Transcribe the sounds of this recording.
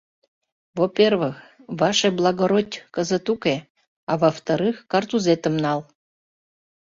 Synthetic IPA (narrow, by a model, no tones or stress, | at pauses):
vopʲervɨxvɑʃeblˠɑɣoɾotʲkəzət̪ukʲe | ɑvəft̪aɾɨxkart̪uzet̪əmnɑlˠ